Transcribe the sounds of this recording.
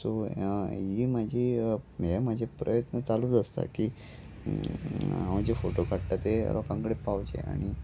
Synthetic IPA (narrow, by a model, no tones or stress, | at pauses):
soɦiːmad͡ʑʱimjamad͡ʑʱepɾəjət̪nət͡salud͡zəst̪a̰ki | ɦãwd͡ʑefoʈokaɽʈ̪at̪ḛɾɔkãŋɡɽepawd͡ʑḛa̰ɽ̃i